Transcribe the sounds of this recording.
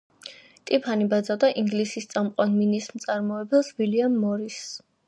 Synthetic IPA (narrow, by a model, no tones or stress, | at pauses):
t̪ʼipʰanibad̪zad̪aʔiŋɡlisist̪sʼamqʼwanminismt̪sʼaɾmɔɛbɛlˠswiliamːɔɾis